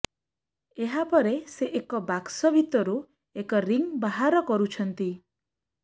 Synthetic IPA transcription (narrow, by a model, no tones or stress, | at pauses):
eɦapɔɾeseʔekɔbaksɔbʱit̪ɔɾu | ekɔɾiŋbaɦaɾɔkɔɾut͡ʃʰɔnt̪i